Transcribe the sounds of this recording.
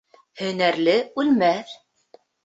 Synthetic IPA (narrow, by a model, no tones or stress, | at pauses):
hɵ̆næɾlɘʉlmæθ